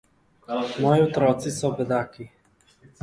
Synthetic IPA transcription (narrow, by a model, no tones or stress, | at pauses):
mɔjiɔt̪ɾɔt̪sisɔbɛd̪aki